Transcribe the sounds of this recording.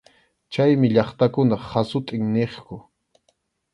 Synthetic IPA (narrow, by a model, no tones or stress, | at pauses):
t͡ʃajmɪʎɑχt̪akʊnaχasʊt̪ʼɪŋneχkʊ